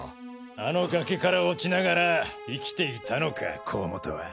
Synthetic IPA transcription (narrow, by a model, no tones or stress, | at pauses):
ano̞ɡake̞kaɾaot͡ɕinaɡaɾaikʲi̥t̪e̞it̪ʰano̞kʰa̰kʰoːmot̪o̰βa̰